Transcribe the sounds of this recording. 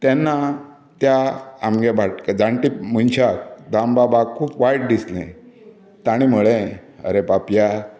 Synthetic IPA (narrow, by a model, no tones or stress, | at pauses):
t̪ɛ̃nːa | t̪jaamɡebʱaʈkd͡zãɳʈimunɕatd̪ʱambabakʰuːpʋajʈ̚d̪islḛ̃ | t̪aɽ̃imuɭe | ə̰ɾepapja